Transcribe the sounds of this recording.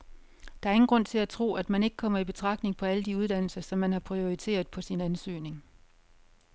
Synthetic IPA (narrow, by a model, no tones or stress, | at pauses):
d̥ɑ̈æɐe̝ŋn̩ɡ̥ʁɔ̽n̰t͡sʰe̝læt͡sʰʁo̝̰ːæd̥mæne̝ɡ̥əkʰɒ̽m̰ɐib̥e̝t͡sʰʁɑ̈ɡ̥d̥ne̝ŋpʰɒ̽æləd̥iuð̞ˠd̥æn̰l̩sɐsɒ̽mːænhɑ̈pʰʁio̝it͡sʰe̝̰ːɐð̩ˠpʰɒ̽sinænsø̰ːne̝ŋ